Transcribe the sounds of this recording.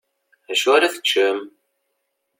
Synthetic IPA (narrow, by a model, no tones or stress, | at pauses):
æʃuaɾaθə̥t͡ʃːəm